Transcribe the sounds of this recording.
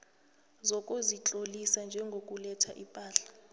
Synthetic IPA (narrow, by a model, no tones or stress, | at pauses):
zɔkʼozit͡ɬʼolisand͡ʒʱɛŋɡʱokʼulɛtʰaʔipʼaːɬḁ